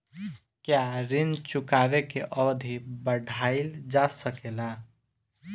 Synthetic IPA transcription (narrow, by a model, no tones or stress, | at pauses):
kjaɾint͡ʃukaβekeʔɔd̪ʱibəɖʱaɪld͡ʒasəkela